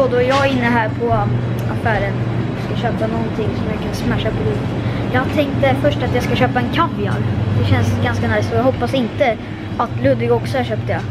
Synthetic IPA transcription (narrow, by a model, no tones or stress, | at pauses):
oːd̪ɔɛɾjɑːɡɪnːəɦæːɾpʰɔ | afæːɾən | skaɕøːpanɔnt̪ʰɪŋːsɔmjakʰansmæʂːapʰɔliː | jɑːɡt̪ʰɛŋk̚t̪əfœʂʈat̪jɑːɡskaɕøːpaɛnkʰavɪja̰nd̪ɛɕɛnsɡanskanajst̪ɔjɑɡɦɔpːasɪnt̪ə | at̪lɵd̪vɪɡɔksɔhaɾɕøːp̚t̪əja